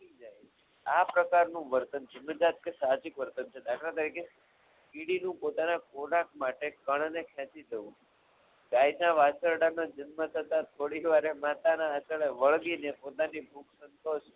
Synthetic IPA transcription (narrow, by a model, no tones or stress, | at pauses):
id͡ʒajt͡ʃʰe | apɾəkaɾnũʋəɾt̪ənd͡ʒəmːəd͡ʒat̪̚kesaɦd͡ʒikʋəɾt̪ənt͡ʃʰed̪akʰɾat̪̬əɾikʰe | kiɽinũpot̪anakoɾak̚maʈekəɳnekʰɛ̃t͡ʃid͡ʒ̪əʋũ | ɡajnaʋat͡ʃəɾɽanad͡ʒənmət̪ʰət̪at̪ʰoɽiʋaɾemat̪anaːt͡ʃəɭeʋəɭɡinepot̪anibʱuksənt̪oʃ